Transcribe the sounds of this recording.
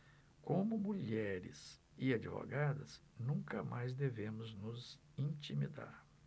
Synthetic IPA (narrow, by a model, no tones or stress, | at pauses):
kõmʊmuʎɛɾɪ̰z | ɪad͡ʒivo̰ɡad̪ɐ̰znũkɐmʔajzd̪evẽmʊznʊz | ĩt͡ʃimid̪a̰ɾ